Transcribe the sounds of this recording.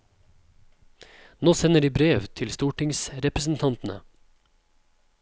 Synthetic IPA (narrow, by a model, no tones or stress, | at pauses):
noːsɛnəɖiːbɾeːʋt̪ʰɪlst̪uːʈɪŋsɾɛpɾəsn̩t̪ʰɑnt̪n̩ə̰